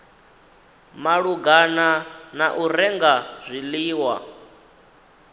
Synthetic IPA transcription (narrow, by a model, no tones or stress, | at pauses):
maɺuɡananaʔuɾɛŋɡaz̥ʷiliːwa̰